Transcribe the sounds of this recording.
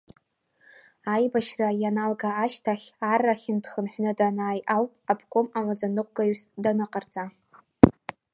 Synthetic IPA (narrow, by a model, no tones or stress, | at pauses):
ajbaʃrajanalɡaːʃtʰaχʲaraχʲɪndχənħʷᶣnɨdanaːjʔawpʼapʰkʷʰʼomamad͡zanɨqʷʼɡajɥsdanɨqʼard͡zʼa